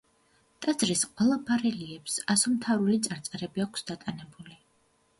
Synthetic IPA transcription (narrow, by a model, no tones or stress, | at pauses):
t̪ʼad̪zɾisqʼwɛlˠapʰaɾɛliɛpsasɔmt̪ʰavɾulit̪sʼaɾt̪sʼɾɛbiakʰsd̪at̪ʼanɛbuli